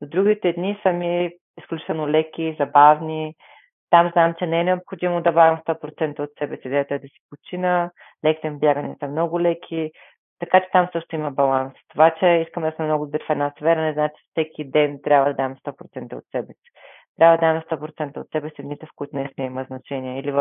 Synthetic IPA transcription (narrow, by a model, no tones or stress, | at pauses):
nod̪ɾuɡʲit̪ɛd̪nisɐmi | isklʲut͡ʃi̥t̪ɛlˠnolɛkʲizɐbavni | t̪amznamt͡ʃɛnɛɛnɛopxod̪imod̪ɐbaɡəmst̪ɔpɾot̪sɛnt̪əot̪sɛbɛsid̪ɛjət̪oɛd̪ɐsi̥pot͡ʃinə | lɛki̥t̪ɛmbʲjaɡənɛsəmnɔɡʊlɛkʲʰi | t̪ɐkat͡ʃɛ̥t̪amsɤʃt̪oʊimɐbɐlˠanst̪ovat͡ʃɛiskəmd̪ɐsmɛmnɔɡʊd̪obɾifɛd̪nasfɛɾɐnɛznamt͡ʃɛ̥fsɛkʲid̪ɛnt̪ɾʲabvəd̪ɐd̪amɛst̪ɔpɾot̪sɛnt̪əo̰t̪sɛbɛsi̥ | t̪ɾʲabvəd̪ɐd̪amɛst̪ɔpɾot̪sɛnt̪əot̪sɛbɛsiɛd̪nit̪ɛfkʊit̪ʊnɛsnɛiməznɐt͡ʃɛnʲiɛiliv